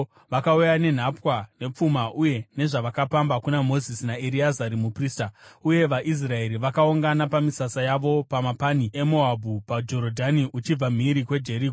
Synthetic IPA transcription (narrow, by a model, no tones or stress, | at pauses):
ʋakaujane̞n̤apwane̞p͡fumaʔuje̞ne̞ʐaʋakapambakunamo̞zisinaeɾiazaɾimupriːstauje̞ʋaʔis̬rae̞ɾiʋakauŋɡanapamisasajaʋo̞pamapanie̞moabʱupad͡ʒo̞ɾodʱaniʔut͡ʃib͡vam̤iɾikwe̞d͡ʒe̞ɾiɡo